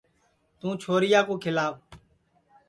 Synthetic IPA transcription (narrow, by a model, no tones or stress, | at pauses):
t̪ũːt͡ʃʰoːɾɪjaːkũːkʰɪlaːb